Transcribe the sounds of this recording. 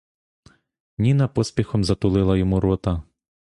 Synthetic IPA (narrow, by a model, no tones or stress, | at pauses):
nʲinɐpɔspʲixɔmzɐt̪ʊlˠɪlˠɐjɔmuɾɔt̪ɐ